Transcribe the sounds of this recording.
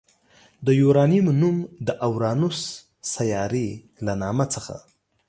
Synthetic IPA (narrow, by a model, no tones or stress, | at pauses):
d̪əjuɾɑnimnumd̪əʔawɾɑnusː | ajɑɾe | lanɑmat͡səxa̰